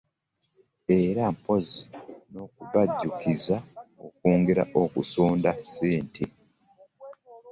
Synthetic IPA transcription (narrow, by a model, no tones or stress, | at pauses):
eɾampo̞zino̞ːkuβaɟːukizaokoːŋɡe̞ɾa̰ʔokusoːndase̞ːntʰe